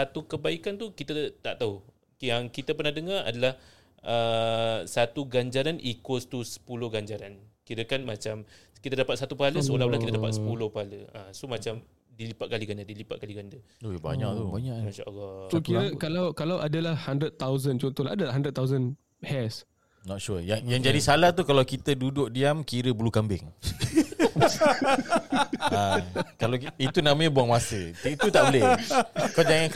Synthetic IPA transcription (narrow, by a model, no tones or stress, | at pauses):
sat̪ukəbaikant̪ukit̪at̪aʔt̪au | jaŋkit̪əpərnahdəŋara̰dalah | ʔəsat̪uɡaɲd͡ʒaɾanikost̪usə̥pulʊhɡaɲd͡ʒaɾankiɾəkanmat͡ʃamkit̪adapat̪̚sat̪upəɦaləsəolaulakit̪adapat̪səpulʊhpəɦaləasomat͡ʃam | dilipat̪ʔ̚kaliɡand͡ʒadilipat̪̚kaliɡandə | ojba̰ɲaʔt̪ubaɲaʔmaʃa̰lɔsokiɾəkalawkalawʔadalahhandɾət̪̚t̪ːawzənt͡ʃɔnt̪olaadalaɦandɾət̪̚t̪ːawzən | hɛs | nɔt̪̚ʃujajaŋd͡ʒadisalaht̪ukalawkit̪ədudʊʔ̚diamkiɾəbəlukambɪ̰ŋ | akalait̪unãmə̃ɲabuaŋmasəit̪ut̪aʔbəlɪkad͡ʒaŋan